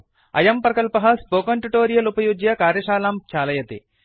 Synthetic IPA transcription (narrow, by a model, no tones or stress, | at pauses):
ɐ̰jɐmpɾɐkɐlpɐɦɐspoːkɐɳʈuʈoːɾijɐlupɐjuɡjɐkaːɾjɐʃaːlaːm̚t͡ʃʰaːlɐjɐt̪ḭ